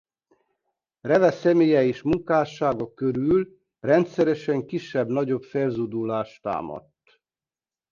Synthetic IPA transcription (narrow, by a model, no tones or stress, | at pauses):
rɛvɛsɛmeːjɛeːʃmuŋkaːʃaːɡɒkøɾyːl | rɛnt̪sɛɾɛʃɛŋkiʃːɛbnɒɟo̞bfelzud̪ulaːʃt̪a̰ːmɒ̰t̪ː